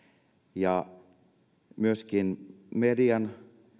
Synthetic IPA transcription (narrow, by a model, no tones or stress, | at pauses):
jɑ | myøskinmediɑn